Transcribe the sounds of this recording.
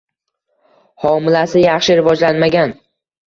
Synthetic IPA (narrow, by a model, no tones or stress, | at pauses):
hɒmɪlasɪjɑχʃɪɾɪvɒd͡ʒlanmaɡʲan